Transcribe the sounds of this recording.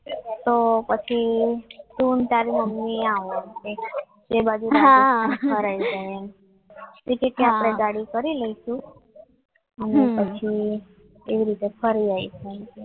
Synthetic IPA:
t̪opət͡ʃʰi | t̪unt̪aɾiməmːiaʋomke | d͡ʒebad͡ʒuɾaaəɾajt͡ʃeen | ʈikeʈĩapɽ̃eɡaɽikəɾiləiʃũ | ənepət͡ʃʰi | eʋiɾit̪epʰəɾiait͡ʃʰeənke

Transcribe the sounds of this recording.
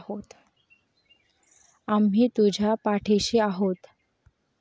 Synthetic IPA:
hot̪ | amɦiːt̪ud͡ʑʱapaʈʰeɕiːaɦot̪

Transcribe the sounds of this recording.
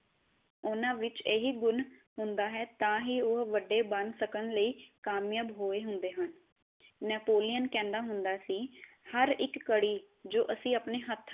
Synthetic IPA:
ʊnãːʋɪt͡ʃeːɦiːɡʊnɦʊnd̪aːɦɛːt̪ãːɦiːʊɦʋəɖːeːbənsəkənləiːkaːmjəbɦoːeːɦʊnd̪eːɦən | nɛːpoːlɪjənkɛ̃ːnd̪aːɦʊnd̪aːsiː | həɾɪkːəɽiː | d͡ʒoːʔəsĩːəpneːɦət̪ʰ

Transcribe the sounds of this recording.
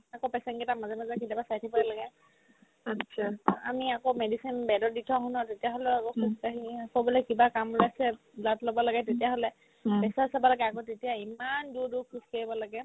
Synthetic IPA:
akopɛsɛnkɛtamazɛmazɛkʰilapasajtʰipaɹɛlaɡɛ | atsʰaa̰miakomedisinbɛdɔditʰɔɦunɔtetijaɦɔlɛɔbɔsiskaɦiakɔbɔlɔkibakamlasɛ | blatlobɔlaɡɛtetijaɦɔlɛ | pɛsasabɔlaɡɛakotetijaimandudukʰːuskeɹibɔlaɡɛ

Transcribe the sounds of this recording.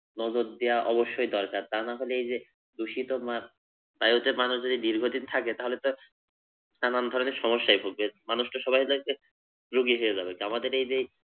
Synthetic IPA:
nɔd͡ʑoɾd̪ejaʔɔboʃːojd̪ɔɾkaɾt̪anaɦoleejd͡ʑe | d̪uʃit̪oma | bajot̪emanuʃd͡ʑod̪id̪iɾɡʱod̪int̪ʰaket̪aɦolet̪o | sanand̪ʱɔɾoneʃɔmoʃːajbʱoɡ̚bemanuʃʈoʃɔbajloke | ɾuɡiɦoed͡ʑabekiamad̪eɾejd͡ʑej

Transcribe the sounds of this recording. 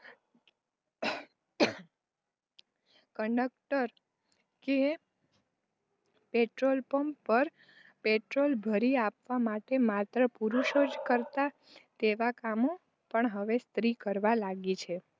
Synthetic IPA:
kəɳɖək̚ʈəɾ | ke | peʈɾolpəmpəɾ | peʈɾolbʱəɾiapʋamaʈemat̪ɾəpuɾuʃod͡ʒkəɾt̪a | t̪eʋakamo | pəɳɦəʋest̪ɾikəɾʋalaɡit͡ʃʰe

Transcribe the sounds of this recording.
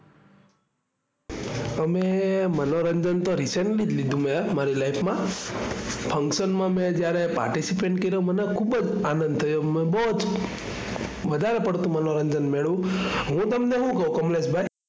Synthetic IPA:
əmemənoɾəɲd͡ʒənt̪oɾiseɳʈlid͡ʒlid̪ũmẽmaɾilajpʰmã | pʰə̃ŋkʃənmãmẽd͡ʒjaɾepa̰ɾʈisipeɳʈkeɾjomənekʰubəd͡ʒanə̃nd̪̚t̪ʰəjomẽbɔd͡ʒ | ʋəd̪ʱaɾepəɽt̪ũmənoɾəɲd͡ʒənmeɭũɦũt̪əmneɦũkəũkəmlesbʱaj

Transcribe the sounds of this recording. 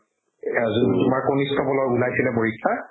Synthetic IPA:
azuntʊmaɹkonistʰɔbɔlɔjulajsilɛboɹikʰːa

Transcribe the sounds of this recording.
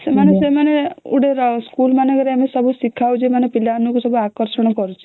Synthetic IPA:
semanesemaneṵɽeɾskulmanɔkɔɾeamesɔbusikʰːawd͡ʒemanepilanukusɔbʱuakɔɾsɔɽ̃ɔkɔɾut͡ʃʰi̥

